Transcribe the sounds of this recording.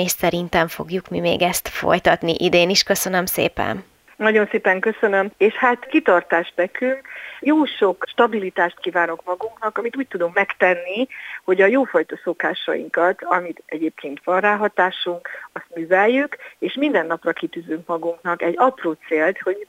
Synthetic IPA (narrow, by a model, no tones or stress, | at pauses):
eːʃsɛɾint̪ɛɱfo̞̰ɡjukmimḛːɡɛst̪fo̞̰jt̪ɒt̪niʔid̪eːniʃkøsø̞nømsḛːpɛ̰n | nɒɟo̞nseːpɛŋkø̞sønø̞meːʃhaːt̪kit̪ɒrt̪aːʒb̪ɛkyŋkjoːʃo̞kʃt̪ɒbilit̪aːʃt̪̚kiːvaːno̞kmɒɡuŋknɒkɒmit̪uːc̚t̪ud̪omkmɛkt̪ɛnːiho̞ɟɒjoːfɒjt̪ɒso̞kaːʃɒ̰jḭŋkɒt̪ɒmit̪ɛɟeːp̚kʰeːnt̪ʋɒnraːɦɒt̪aːʃuŋkɒst̪myːvɛjjykeːʃmind̪ɛnːɒprɒkit̪yːzyŋkmɒɡuŋknɒkɛɟɒproːt̪seːlt̪ho̞ɟ